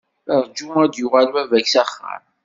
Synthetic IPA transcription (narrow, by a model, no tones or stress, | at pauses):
əɾˤd͡ʒuæd̪jʊʁalwævæçsæχːa̰ɾˤ